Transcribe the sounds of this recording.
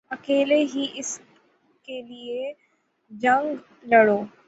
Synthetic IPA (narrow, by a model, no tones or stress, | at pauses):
ɐkeːleɦiʔɪs | kelie | d͡ʒɐ̃ŋɡ | lɐɽoː